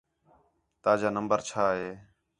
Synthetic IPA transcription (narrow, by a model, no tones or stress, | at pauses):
t̪aːd͡ʒaːnəmbəɾt͡ʃʰaːɦeː